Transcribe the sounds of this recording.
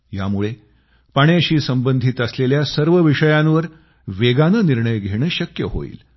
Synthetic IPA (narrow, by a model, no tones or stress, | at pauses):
ja̰muɭe | paɳjeɕiːsəmbənd̪ʱit̪əsleljasəɾʋəʋiʂəjãnʋəɾ | ʋeɡanəːniɾɳəjɡʱeɽ̃əːɕəkjəɦo̰ḭːl